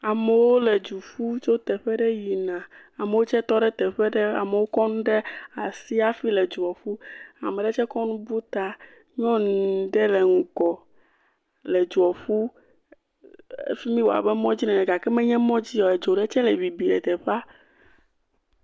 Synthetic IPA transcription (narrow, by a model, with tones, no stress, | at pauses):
a˨me˨wo˦le˨d͡ʒu˨fu˦t͡ʃo˦t̪ɛ˨ɸɛ˦ɖɛ˦ji˨nã˨a˨me˨wo˦t͡ʃɛ˦t̪ɔ˦ɖɛ˦t̪ɛ˨ɸɛ˦ɖɛ˦a̰˨me˨wo˦kɔ˦nũ˦ɖɛ˦a˨si˦a˦fi˦lɛ˨d͡ʒu˨ɔ˨fu˦a̰˨me˨ɖɛ˦t͡ʃɛ˦kɔ˦nũ˦bu˦t̪a˦ | ɲɔ̃˦n˨ɖ̪ɛ˦le˨ŋũ˨kɔ˨ | le˨d͡ʒu˨ɔ˨ɸu˦ | ḛ˦fi˦mĩ˦wo˨a̰˨bɛ˦mɔ̃˦d͡ʑi˦nɛ̃˨nɛ˨ɡa˨kɛ˦mɛ̃˦ɲɛ̃˦mɔ̃˦d͡ʑi˦jɔ˨ɛ˨d͡ʒo˨ɖɛ˦t͡ʃɛ˦le˨βi˨bi˨ɖɛ˨t̪ɛ˨ɸa˦